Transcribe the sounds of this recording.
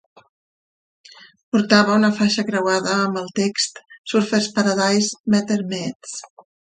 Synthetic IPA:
puɾt̪aβ̞əunəfaʃəkɾəwaðəːmbəlˠt̪ekst̪suɾfəspəɾəðajsmɛt̪əɾmɛtt͡s

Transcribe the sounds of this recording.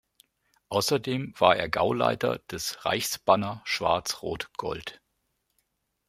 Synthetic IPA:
ʔaʊsɐdeːmv̥aːɐʔeːɐɡaʊla̰ɪtɐ̰d̥ɛsʁa̰ɪçsb̥anɐʃv̥a̰ɐt͡sʁoːtɡ̥ɔ̰lt

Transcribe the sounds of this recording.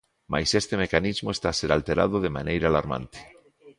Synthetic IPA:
ma̰jsest̪emekanizmoest̪aːseɾalt̪eɾa̰ð̞oðemanejɾaːlaɾmã̰nt̪e̥

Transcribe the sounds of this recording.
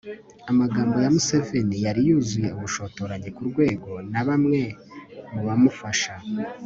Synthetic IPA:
amaɡaːmbo̞jamuse̞ve̞nijaɾijuːzuje̞uβuʃo̞to̞ɾaɲe̞kuɾɡwe̞ːɡo̞naβamŋe̞muβamufaʃa

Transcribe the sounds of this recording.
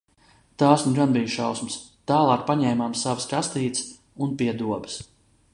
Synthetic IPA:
t̪aːsnuɡanbijʃawsməs | t̪aːlˠɑːk̚paɲɛjmaːmsavskast̪iːt̪s | unpiɛd̪uɔbə̥s

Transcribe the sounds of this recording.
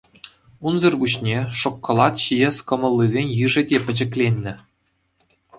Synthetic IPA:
unzɤ̆rbuɕnʲeʂŏkːɤ̆lˠɑt̪ɕijesʲkɤ̆mɤ̆lʲˠːizʲenʲjɯʐɘ̆dʲepʲɘ̆d͡ʑɘ̆klʲenʲːɘ̆

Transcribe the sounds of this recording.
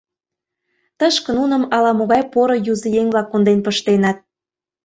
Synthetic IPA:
t̪əʃkə̆nunə̆mɑlɑmoɣɑjpoɾɤ̆juzə̆jeŋʲvlɑkːond̪enpəʃt̪enɑt̪̚

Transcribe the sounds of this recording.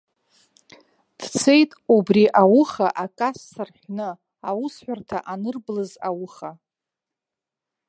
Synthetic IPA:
d̥t͡sʰe̞jtʼubriʔawʊχaʔakʼasːɨrħʷᶣnɨ | awʊsħʷᶣartʰaʔanɨrblɨzawʊχa

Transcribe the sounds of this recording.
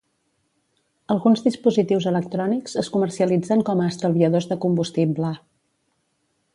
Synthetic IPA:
əlˠɣunzðispuzit̪iwzələk̚t̪ɾɔnikzəskumərsiəlid͡zəŋkɔməːst̪əlˠβiəðozðəkumbust̪iblə

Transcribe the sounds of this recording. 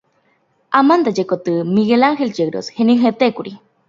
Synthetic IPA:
amand̪ad͡ʒekot̪ɨmiɣelaŋxelt͡ʃeɡɾo̰sheniɦet̪ekuɾi

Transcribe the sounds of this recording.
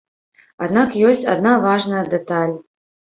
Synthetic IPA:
a̰d̪nakjɔsʲt͡sʲa̰d̪navaʐnɐjɐd̪ɛt̪alʲ

